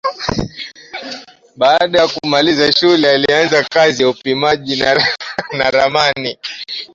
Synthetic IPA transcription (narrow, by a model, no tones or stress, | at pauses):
ɓaːɗajakumalizaʃulɛalianzakazijaupimaʄinanaɾamani